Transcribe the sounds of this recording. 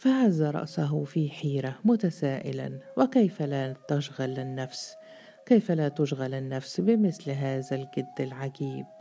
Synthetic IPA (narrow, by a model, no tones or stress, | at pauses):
faʕazːaɾˤɑ̰ʔsaɦʊfiħiːɾamʊt̪asaːʔɪ̰la̰nwɪkejfalat̪aʃɣalɪnːafs | kejfalat̪ʊʃɣalɪnːafsbɪmɪθlɦaːðalɡɪd̪ːɪlʕaɡiːb̚